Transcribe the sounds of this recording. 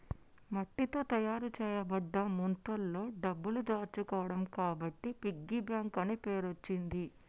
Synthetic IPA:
mɐʈːit̪o̞ːt̪ɐjaːɾut͡ʃɛːjɐbɐɖːɐmunt̪ɐlːo̞ːɖɐbːulud̪aːɾt͡ʃukɔːʋɐɽɐmkaːbɐʈːipiɡːibjaːŋkɐnepeːɾot͡ʃːind̪i

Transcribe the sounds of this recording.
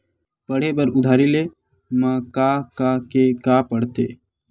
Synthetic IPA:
pəɽ̤ebəɾʊd̪ʱaːɾile | mə̃kakakekaːpəɽ̤t̪ḛː

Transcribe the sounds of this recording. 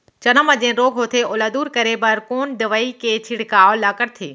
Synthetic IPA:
t͡ɕɐnəməd͡ʑẽɾoːɡʱɦoːt̪ʰeʔoːlaːd̪uːɾkɐɾepɐɾkoːnd̪ɐʋaːikʰeːt͡ɕʰiɽ̤kaːlaːkəɾt̪ʰeː

